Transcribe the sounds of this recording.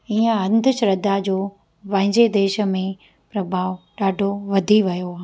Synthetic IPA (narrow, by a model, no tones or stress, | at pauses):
iːə̃ɐ̃nd̪ʱəʃɾɐd̪ad͡ʑoː | pɐ̃ɦɪ̃ɲd͡ʑed̪eːʃə̆mẽ | pɾɐbʱaːʋɗaːɖʱoʋɐd̪ʱiʋɐjoaː